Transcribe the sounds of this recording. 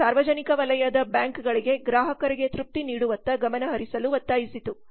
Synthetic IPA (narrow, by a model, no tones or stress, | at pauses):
saːɾʋɐd͡ʒɐnikɐʋɐlɐjɐd̪ɐbjaːŋkɡɐɭiɡeɡɾaːɦɐkɐɾiɡe̞t̪ɾup̚t̪iniːɽuʋɐnt̪ɐɡɐmɐnɐɦɐɾisɐluʋɐt̪ːaːjisit̪u